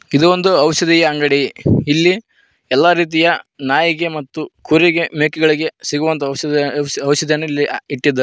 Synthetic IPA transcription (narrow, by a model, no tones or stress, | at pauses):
id̪uond̪uɐʋɐʃɐd̪ijɐɐŋɡɐɽiilːi | ɛlːaɾiːt̪̬ijɐnaːjiɡe̞mɐt̪ːukʰuɾiɡe̞meːkiɡɐɭiɡesiɡuʋɐnt̪ɐ | ɐʋʃɐd̪jɐnːuilːiiʈːid̪ːɐ